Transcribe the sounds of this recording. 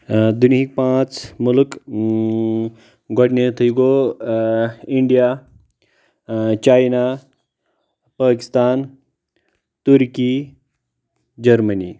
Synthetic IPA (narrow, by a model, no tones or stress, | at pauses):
d̪unɦik̚pãːt͡smulk | ɡɔʈnet̪ʰəjiɡo | iɳɖija | t͡ʃaːjna | paːki̥st̪aːn | t̪uɾkiː | d͡ʒɐɾmənḭː